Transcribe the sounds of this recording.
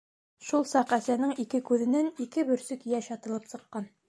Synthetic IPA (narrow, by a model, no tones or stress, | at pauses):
ʃulˠsɑqæsænɘŋikɘkʉðɘ̆nænikɘbɵ̆ɾsɵkjæʃɑt̪ɤ̆lˠɤpsɤ̆qːɑn